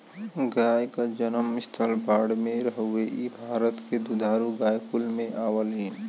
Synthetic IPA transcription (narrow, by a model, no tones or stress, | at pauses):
ɡaːjkad͡ʒənəmɪst̪ʰəlbaːɽmẽɾəɦʊweʔibʱaːɾət̪ked̪ud̪ʱaːɾuɡaːjkʊlmẽʔaːwəliːn